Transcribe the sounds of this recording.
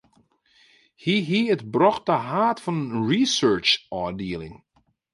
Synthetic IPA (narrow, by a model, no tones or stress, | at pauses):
hiɦiətbrɔxtəɦaːtfɔnənɹisɜːt͡ʃɔːdiəlɪ̰ŋ